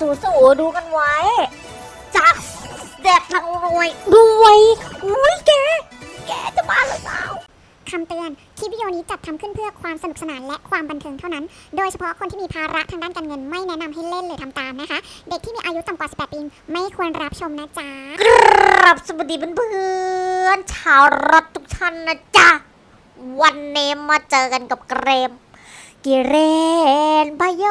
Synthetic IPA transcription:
suː˨˩˦suː˨˩˦duː˧ka˧nwa˦˥j | t͡ɕa˨˦˩k̚dɛ˨˩p̚na˧˩˧mu˧˩əjbu˧əjjkɛː˧˥kɛː˧˩t͡ɕa˧˩baː˧˩laː˨˦sa̰ː˧˦w | kʰa˧mt̪ɯ˧ən | t̪ʰi˧˦˥wi˧joː˧niː˦˥t͡ɕa˨˩t̪̚ʰːa˧mkʰɯ˥˩npʰɯ˥˩ɐkʰwaː˧msa˧n̚˨˩sa˧naː˩˦nlɛ˦˥ʔkʰwaː˧mba˧nt̪ʰɤː˧ŋt̪ʰa˥˩wna˦˥ndoː˧jt͡ɕʰa˧pʰɔ˦˥kʰo˧nt̪ʰiː˥˩miː˧pʰaː˧ɾa˦˥ʔt̪ʰaː˧ŋdaː˥˩nkaː˧nŋɤ˧nma˥˩jnɛ˦˥na˧mha˥˩jle˥˩nlɤː˧˩jt̪ʰa˧mt̪aː˨˧mna˦˥kʰa˦˥de˨˩k̪̚ʰiː˥˩miː˧ʔaː˧ju˦˥t̪a˧˩mkwaː˨˩si˨˩pːɛː˨˩pʰːiː˧mma˥˩jkʰu˧ənɾa˦˥p̚t͡ɕʰo˧mna˦˥t͡ɕa˧kɾa˧˦˩p̚sa˧bu˨˩t̚diː˨˩pːnpʰɯɯ˧ənt͡ɕʰaː˨˦wɾo˦˥t̪̚ʰːu˦k̚t͡ɕʰa˥˩nːa˧˥t͡ɕa˧˩ | wa˧nːeː˧mːaː˧t͡ɕɤː˧ka˧nka˨˩p̚kɾeː˧m | ki˨˩ɾe˧nba˧˩jo˧˥

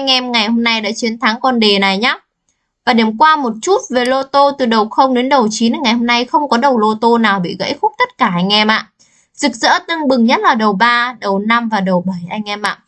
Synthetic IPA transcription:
ʔa˧jŋ̟ʔɛ˧mŋa˨˩jho˧mna˧jɗa̰ː˧˥t͡ɕi˨˦ənt̪ʰa˨˦ŋkɔ˧nɗe˨˩na˨˩jɲaː˨˦˥ | vaː˨˩ɗe˧˨˩mkwaː˧mo˨˩t̚t͡ɕu˦˥t̚ve˨˩lo˧t̪o˧t̪ɨ˨˩ɗə˨˩wxə˧wŋ͡mɗe˨˦nɗə˨˩wt͡ɕi˨˦n˨ŋa˨˩jho˧mna˧jxə˧wŋ͡mkɔ˨˦ɗə˨˩wlo˧t̪o˧naː˨˩wɓḭ˧˨ɣə̰˧˥jxu˦˥k̚t̪ə˦˥t̚kaː˧˩ʔa˧jŋ̟ʔɛ˧mʔa̰ː˧˨ | z̥ɨ˨˩k̚zə̰ː˧˥t̪ɨ˧əŋɓɨ˨˩ŋɲə˦˥t̚laː˨˩ɗə˨˩wɓaː˧ɗə˨˩wna˧mvaː˨˩ɗə˨˩wɓə˧˩jʔa˧jŋ̟ʔɛ˧mʔa̰ː˧˨

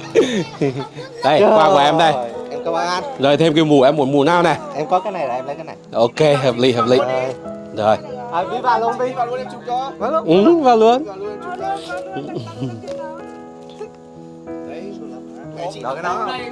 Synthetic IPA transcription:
ɗə˧˩jkwaː˧ku˧˩˦ʔɛ˧mɗə˧˩jʔɛ˧mkə˧waː˧˩nʔa˧nzoː˨˩jt̪ʰe˧mki˧wmu˨˩ʔɛ˧mːu˧˩˦mu˨˧˩naː˧wnɛ˨˩ʔɛ˧mkɔ˨˦kaː˨˦jna˨˩jʔɛ˧mlaː˨˦ka˨˦na˨˩jʔo˧ke˧ɦəː˨˩p̚lḭ˧˨ɦəː˨˩p̚lḭ˧˩˨ | zo˨˩ja˧˩vi˧˦ɓa̰ː˧˨lnɓi˧vaː˧˨u˧˦ə˨˦t͡ɕʊ˧˩t͡ɕɔ˧˨˦ʔvaː˨˩lu˧ən˧˩˧ | ɗɔ˨˦ka˨˦ɔ˨˦

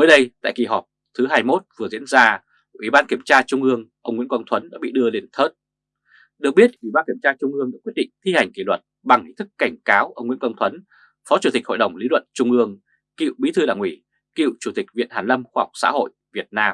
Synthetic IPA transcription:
məː˨˦jɗə˧jt̪a̰ː˧˨jkḭ˨˩ɦɔ˨˩p̚t̪ʰɨ˨˦ɦaː˧jmo˦˥t̚vɨ˨˩əzḭ˧˥ənzaː˧ | ʔwi˧˩ɓaː˧nki˧˩əmt͡ɕaː˧t͡ɕʊ˧ŋ͡mʔɨ˧əŋʔə˧wŋ͡mŋḭ˧˥əkə˧ŋt̪ʰwə˨˦nɗa̰ː˧˥ɓḭ˧˨ɗɨ˧əli˨˧˩ənt̪ʰə˦˥t̚ | ɗɨ˨˩ək̚ɓi˦˥ət̚ʔwi˧˩ɓaː˧nki˧˩əmt͡ɕaː˧t͡ɕʊ˧ŋ͡mʔɨ˧əŋɗaː˧˥kwt̚ɗḭ˧˨ŋ̟t̪ʰi˧ha˨˩jŋ̟ki˧˩lwə˨˩t̚ɓa˨˩ŋhḭ˧˥t̪ʰɨ˦˥kːa˧˩jŋ̟kaː˨˦wʔə˧wŋ͡mŋw̰ənkwə˧wŋt̪ʰwə˨˦n | fɔ˨˦t͡ɕu˨˧˩i˨˩k̟̚ho̰˧˨jɗə˨˩wŋ͡mli˨˦lwə̰˧˨nt͡ɕʊ˧ŋ͡mʔɨ˧əŋ | kḭ˧˨wɓi˨˦t̪ʰɨ˧ɗaː˧˩ŋʔi˧˩ | kḭ˧˨wt͡ɕu˧˩t̪ï˨˩k̟̚vḭ˧˨ənhaː˨˩nlə˧mxwaː˧hɔ˨˩k͡p̚sa̰ː˧˥ɦo̰˧˨jvi˨˩ət̚naː˧m

